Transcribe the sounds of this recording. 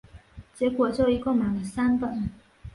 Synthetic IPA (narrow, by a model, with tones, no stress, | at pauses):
t͡ɕjɛ˧˥kwɔ˨˩t͡ɕjo˥˩ʊi˧˥ko˥˩mjɑ˨˩ŋd̪ə˧˩sa˥npə˨˩n